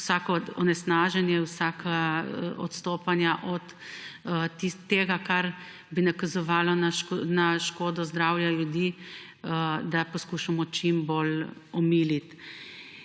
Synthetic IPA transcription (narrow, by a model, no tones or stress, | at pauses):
saːkɔɔnɛsnaːʒɛnjɛwsaːkʰaɔt̪st̪oːpanjaʔɔt̪ː | it̪ːeːɡakaɾ | binakazɔʋaːlɔnaʃnaʃkoːd̪ɔzd̪ɾawjaljud̪i | d̪apɔskuːʃamɔt͡ʃimbolɔmiːlit̪